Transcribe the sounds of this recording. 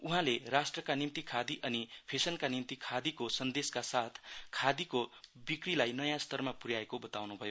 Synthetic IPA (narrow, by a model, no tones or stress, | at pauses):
uɦãlerasʈrʌkanimt̪ikʰad̪iʔʌnipʰesʌnkanimt̪ikʰad̪ikosʌnd̪eskasat̪ʰkʰad̪ikobikrilajnʌjãst̪ʌrmapurjaekobʌt̪awnubʱʌjo